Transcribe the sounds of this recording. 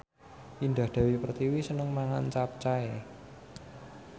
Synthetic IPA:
ind̪ahd̪̥a̤wipərt̪iwisənəŋmaŋant͡ʃap̚t͡ʃae

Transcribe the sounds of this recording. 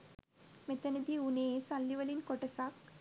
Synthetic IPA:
met̪ɐnɐd̪iunesalːiʋɐlinkɔʈɐsak̚

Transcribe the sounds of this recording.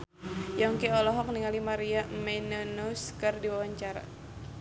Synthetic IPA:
jɔŋkiɔlɔɦɔk̚niŋalimaɾiamɛnunuskərdiwawaɲt͡ʃaɾa̰

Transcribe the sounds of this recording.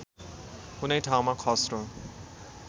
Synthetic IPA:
kunejtʰawmakʰɔsɾɔ

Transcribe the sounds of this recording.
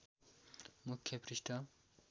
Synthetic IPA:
mukʰːjʌprisʈʰʌ

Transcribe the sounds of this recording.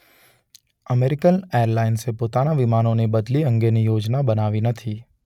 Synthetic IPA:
əmeːɾɪkəneːəɾlaːɪnsepoːt̪anaʋɪmaːnõnebəd̪liə̃ŋɡenijoːd͡ʒnabənaːʋinət̪ʰiː

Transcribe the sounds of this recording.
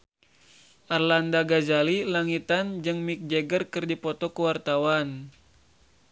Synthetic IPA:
ʔarlandaɡazalilaŋit̪and͡ʒɨŋmik̚d͡ʒɛɡərkɨrdipɔt̪ɔkuwart̪awan

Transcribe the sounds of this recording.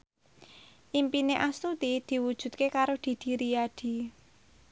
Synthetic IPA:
ʔimpineʔast̪ut̪id̪̥i̤wud̥ʒ̥ṳt̪̚kekaɾod̪̥i̤d̪̥i̤ɾijaɖ̪̥i̤

